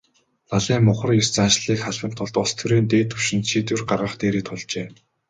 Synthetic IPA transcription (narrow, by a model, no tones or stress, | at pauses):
ɮaɮiːmːʊχə̆rjʊst͡sanʃɮiːkχaɮpə̆m̥t̪ʰːʊɮt̪ʊst̪ʰuɾeːnt̪eːt̪ʰːɵwʃɪ̆nt̪ʃit̪ŭrɢarʁə̆χt̪eːɾeːt̪ʰʊɮt͡ɕeː